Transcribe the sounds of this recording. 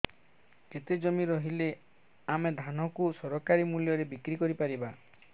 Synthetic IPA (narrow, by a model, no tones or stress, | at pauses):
ket̪ed͡ʒɔmiɾɔɦile | amed̪ʱanɔkusɔɾɔkaɾimuljɔɾebikɾikɔɾipaɾiba